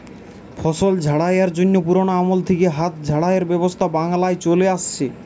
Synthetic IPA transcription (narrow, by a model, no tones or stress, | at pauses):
fʰɔʃold͡ʑʱaɽajaɾd͡ʑonːopuɾonoamolt̪ʰekeɦat̪̚d͡ʑʱaɽaeɾbɛbost̪ʰabaŋlaet͡ɕoleaʃt͡ɕʰe